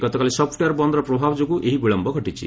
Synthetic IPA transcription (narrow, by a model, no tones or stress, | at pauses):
ɡɔt̪ɔkalisɔpʰʈjaɾbɔnd̪ɾɔpɾɔbʱabɔd͡ʒoɡuʔeɦibiɭɔmbʱɔɡʱɔʈit͡ʃʰḭ